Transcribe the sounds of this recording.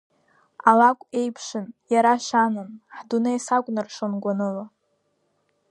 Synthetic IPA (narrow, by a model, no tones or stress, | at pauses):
alakʷʼe̞jpʰʂɨnjaɾaʃanɨnħdunajsakʷʼnɨrʂonɡʷanɨla